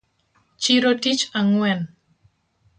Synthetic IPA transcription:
t͡ʃiɾodit͡ʃaŋuɛn

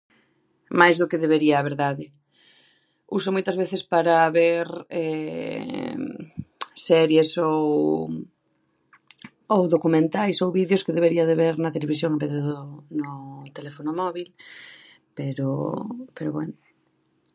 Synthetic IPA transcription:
majzðʊkeðeβeɾiɐːβeɾðaðɪ | ṵsʊmojt̪ɐzβeθɪspaɾaβeɾɛ̰ | sɛɾjesow | owðokumẽnt̪ajsowβiðjʊskɪðeβ̞eɾiɐðeβeɾnɐt̪eleβis̬joŋʊmpeðjoðnʊt̪elefonʊmɔβil | peɾʊ̰peɾʊβwɛ̰nʊ

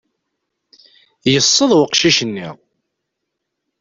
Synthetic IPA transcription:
jəsˤːəðˤwəqʃiʃənːḭʁ

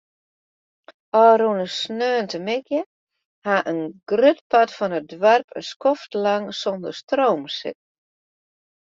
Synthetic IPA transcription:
ɔɾunəsnøːntəmɪkjə | haʔənɡ̥røtpatfɔnədwarpʰəskɔftlaŋsɔndərstroːmsɪ̰t̚

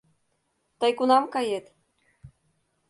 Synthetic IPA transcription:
t̪ɑjkunɑmkɑjet̪

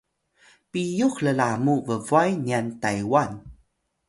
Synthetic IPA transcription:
pijuxləlamuvəvuajniantajwan

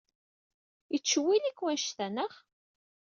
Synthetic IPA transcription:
ət͡sːwilikwænʃθænəχ

